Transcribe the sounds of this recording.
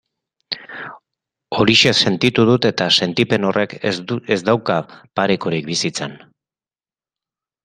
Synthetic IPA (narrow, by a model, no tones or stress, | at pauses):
o̞ɾiʃese̞nt̪it̪uð̞ut̪e̞t̪ase̞nt̪ipe̞no̞rʔe̞kezd̪awkapaɾekoɾik̚bisit͡sen